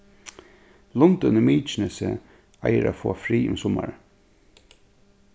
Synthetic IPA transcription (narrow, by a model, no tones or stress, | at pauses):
lɔnt̪ʉnəmiːt͡ʃɪnəsə | ajəɾa̰ːfoːafɾiːʊmsɔma̰ɹ